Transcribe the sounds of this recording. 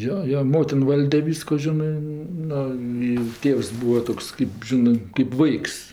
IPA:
ˈjoː ˈjoː ˈmoːtʲɪn ˈʋɐlʲdʲɛ ˈʋʲiːskoː ˈʒʲɪnɜ ˈnʊ ɪ ˈtʲeːws ˈbʊws ˈtoːks kɜp ˈʒʲɪnɜ kɜp ˈʋɐɪks

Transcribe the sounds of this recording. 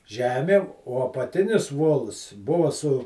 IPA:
ˈʒʲæːmʲeːm oː ɐpɐˈtʲɪnʲɪs ˈʋoːlˠs ˈbʊʋɐ sʊ

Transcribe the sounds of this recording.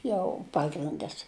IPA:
ˈjɛʊ ˈpɑːɡrʲɪndɐs

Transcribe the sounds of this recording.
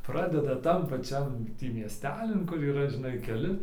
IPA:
ˈprɑːdʲɛdɐ ˈtɐm pɐˈt͡ʃʲɛm ˈtʲiː mʲiɛsʲˈtʲæːlʲɪn kʊr iːˈrɐ ʒʲɪˈnɐɪ kʲɛˈlʲɪ

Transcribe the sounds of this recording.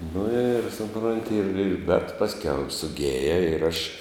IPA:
nʊ ɪr sʊˈproːnʲtʲɪ ɪr ɪr bʲɛt ˈpɑːsʲˌkʲɛʊ ɪr sʊˈɡʲeːjɛ ɪr ɐʃ

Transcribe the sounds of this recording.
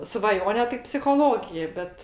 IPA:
sʋɐˈjoːnʲɛ tɐɪ pʲsʲɪxoːˈlˠoːɡʲɪjɛ ˈbʲɛt

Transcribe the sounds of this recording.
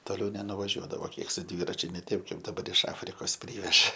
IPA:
toːˈlʲɛʊ nʲɛnʊʋɐˈʒʲuɔdɐʋoː ˈkʲiɛk sʊ ˈdʲʋʲiːrɐt͡ʃʲʊ nʲɛ ˈtʲɛɪp ˈkɐɪp dɐˈbɐr ɪʃ ˈɑːfʲrʲɪkoːs ˈpʲrʲiːʋʲɛʒɐ

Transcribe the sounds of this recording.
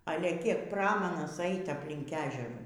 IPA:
ˈɑːlʲɛ ˈkʲiɛk ˈprɑːmɐnɐs ˈɛɪt ɐpʲˈlʲɪŋk ˈæːʒʲɛruː

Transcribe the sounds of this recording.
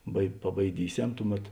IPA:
bɐɪ pɐbɐɪˈdʲiːˌsʲɛm ˈtʊˌmʲɛt

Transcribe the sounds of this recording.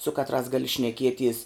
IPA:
sʊ ˈkɑːtˌrɑːs ˈɡɑːlʲɪ ʃʲnʲɛˈkʲiɛˌtʲiɛs

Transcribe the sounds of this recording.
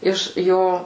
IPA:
ˈɪʃ ˈjoː

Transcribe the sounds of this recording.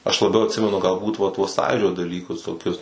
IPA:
ɐʃ lˠɐˈbʲɛʊ ɐtʲˈsʲɪmʲɛnʊ ɡɐlˠˈbuːt ʋɐ tuɔs ˈsɑːjuːd͡ʒʲoː dɐˈlʲiːkʊs toːˈkʲʊs

